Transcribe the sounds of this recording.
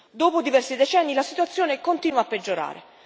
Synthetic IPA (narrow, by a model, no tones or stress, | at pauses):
d̪oːpod̪ivɛrsid̪et͡ʃɛnːilasit̪uat̪sːjoːnekont̪iːnwaːpːed͡ʒːoɾa̰ːɾḛ